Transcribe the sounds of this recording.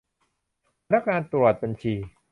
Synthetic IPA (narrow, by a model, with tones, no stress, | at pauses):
na˦˥k̚ŋaː˧nt̪ɾu˨˩t̪̚ba˧nt͡ɕʰiː˧